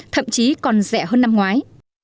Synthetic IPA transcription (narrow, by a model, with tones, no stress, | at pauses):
t̪ʰə̰˧˨mt͡ɕi˨˦kɔ˨˩nzɛ˧˩ɦəː˧nːa˧mŋwaː˨˦j